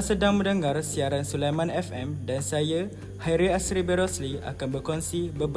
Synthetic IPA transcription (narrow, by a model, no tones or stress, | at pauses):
sədaŋmə̃ndəŋarsiaɾansulamãnɛfɛmdansajə | haiɾiasɾibəɾɔslia̰kanbərkɔnsibəb